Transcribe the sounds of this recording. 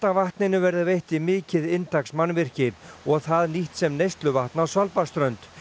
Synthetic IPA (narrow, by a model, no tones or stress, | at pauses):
t̪avaht̪nɪnʏvɛɾðɪvejht̪imɪːcɪðɪnt̪aksmanːvɪr̥cɪɔɣθaðniht̪sɛmnejst̪lʏvaht̪nawsvalpast̪ɾœɥnt̪